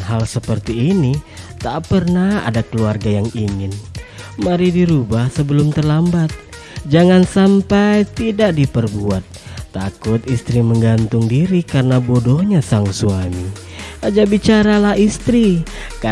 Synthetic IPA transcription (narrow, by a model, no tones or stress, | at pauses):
ɦalsəpərt̪iːnit̪aʔpərnaha̰dakəluarɡajaŋiŋɪnmaɾidiɾubahsəbəlʊmt̪ərlambat̪̚ | d͡ʒaŋansampajt̪idaʔdipərbuat̪̚ːakʊt̪ist̪ɾiməŋɡant̪ʊŋdiɾikaɾənabodɔhɲasaŋsuami | ʔad͡ʒabit͡ʃaɾalaɦist̪ɾika